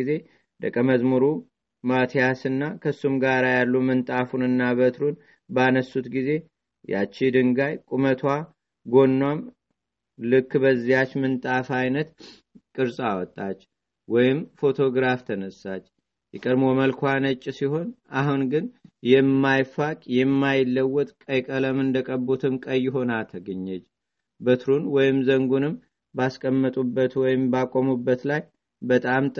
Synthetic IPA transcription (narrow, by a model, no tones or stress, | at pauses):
ize̞ | d̪əkʼːəməzmuɾu | mat̪ʰijasɨnːakʰəsːumɡaɾajalːumɨnt̪ʼafunɨnːaβət̪ɾun | banəsːut̪ɡize̞ | ja̰t͡ʃːid̪ɨŋɡajkʼumət̪ʰwa | ɡo̞nːwam | lɨkːbəzːijat͡ʃːmɨnt̪ʼafajnət̪ | kʼɨɾsʼawɔt̪ʼːat͡ʃː | wɔjɪmfo̞t̪ʰo̞ɡɾaft̪ʰənəsːat͡ʃː | jɛkʼəd̪moməlkʰʷanət͡ʃʼːsiho̞naɦunɡɨnjɛmːajfakʼjɛmːajɪlːəwːɔt̪ʼkʼəjkʼələmɨnd̪əkʼəbot̪ʰɨmkʼəjːɪɦo̞nat̪ʰəɡəɲːɛt͡ʃː | bət̪ʰɾunwɔjɪmzəŋɡunɨm | baskʼəmːət̪ʼubːət̪wɔjɪmbakʼːomubːət̪laj | bət̪ʼamt̪ʼ